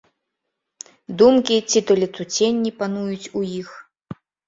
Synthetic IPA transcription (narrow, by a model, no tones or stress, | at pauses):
d̪umkʲit͡sʲit̪ɔlʲɛt̪sut͡sʲenʲːipan̪ujut͡sʲujix